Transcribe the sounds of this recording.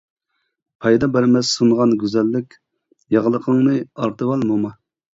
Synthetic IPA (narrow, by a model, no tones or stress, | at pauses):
pʰɑjd̪ɑbæɾmɛssunʁɑnɡʲyzɛlːɪkʲ | jɑʁəlˠəqʰəŋnɨɑɾt̪ʰɨwɑlˠmomɑ